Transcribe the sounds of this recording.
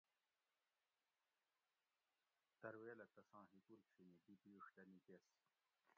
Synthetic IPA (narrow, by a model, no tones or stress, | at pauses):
t̪ɐɾweːlɐt̪ɐsãːɦikulkʂinibibiuʂd̪ɐnik̪eːs